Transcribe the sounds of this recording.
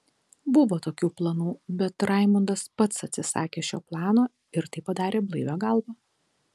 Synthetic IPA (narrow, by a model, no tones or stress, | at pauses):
bʊʋoːt̪oːkʲuːplˠɐnuːbʲɛt̪ɾɑˑɪmʊnd̪ɐspɐt̪sɐt̪ʲsʲɪsɑ̰ːkʲeːʃʲoːplˠɑːnoː | ɪɾt̪ɐɪpɐd̪ɑːɾʲeːblˠɐɪʋʲoːɡɐlˠbɐː